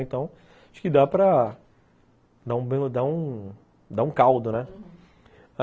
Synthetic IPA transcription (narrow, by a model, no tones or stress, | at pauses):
ẽnt̪ɐ̃w̃ | aʃʊ̥kɪd̪apɾɐ | d̪aũbẽd̪aũ | d̪aũkawd̪ʊnɛ